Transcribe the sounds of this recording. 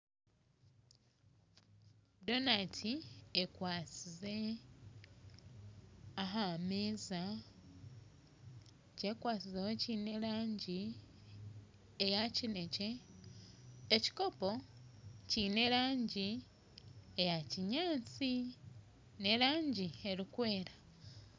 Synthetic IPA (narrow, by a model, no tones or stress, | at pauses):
do̞natʰiekwaːt͡size | aɦameza | cekwaːt͡sizehociːne̞laːɲɟi | ejacine̞ce̞ | eci̥ko̞po̞ | cine̞ɾaːɲɟi | ejaciɲaːt͡si | ne̞ɾaːɲɟie̞ɾikwe̞ːɾa